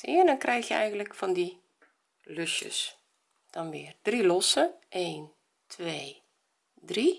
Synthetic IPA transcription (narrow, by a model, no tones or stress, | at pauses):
ɪːəndɔnkrɛjxjəɛ̰jɣəntləkfɔndi | løʃjə̰s | d̥ɔnʋɪːərd̥rilɔsəʔeːn | tʰʋeː | dri